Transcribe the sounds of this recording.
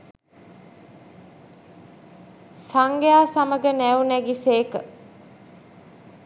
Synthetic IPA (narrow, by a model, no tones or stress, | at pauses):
saŋɡejaːsaməɡənæunæɡiseːkə